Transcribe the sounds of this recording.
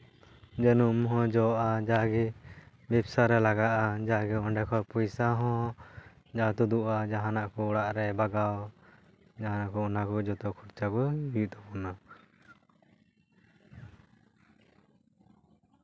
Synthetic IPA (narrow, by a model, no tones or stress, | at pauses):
d͡ʒənumɦɔ̃d͡ʒɔʔad͡ʒaɡɛ | bɛbsaɾɛlaɡaʔad͡ʒaɡɛɔɳɖɛkʰɔɾpujsaɦɔ̃ | d͡ʒat̪ud̪uʔad͡ʒaɦãnaʔkɔɔɽaʔɾɛbaɡaw | d͡ʒaɦanaʔkɔɔnakɔd͡ʒɔt̪ɔkʰuɾt͡ʃakɔid̪ɔbɔna